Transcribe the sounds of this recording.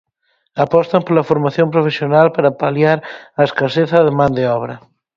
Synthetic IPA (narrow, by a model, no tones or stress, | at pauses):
apɔst̪ɐmpolafoɾmaθjõmpɾofesjonalpaɾapaljaɾaeskaseθɐðemãnd̪eɔβ̞ɾɐ